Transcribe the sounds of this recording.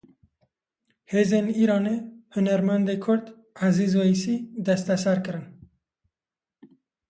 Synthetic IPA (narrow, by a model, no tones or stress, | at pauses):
heːzeːniːɾɑːnehʊnæɾmænd̪ekʰʊɾd̪ | azizwoisid̪ɛst̪ɛsæɾkɨɾɨn